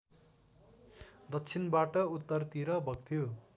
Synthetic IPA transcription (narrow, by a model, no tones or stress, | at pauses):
d̪ʌt͡sʰinbaʈʌut̪ːʌrt̪iɾʌbʱʌɡt̪ʰijo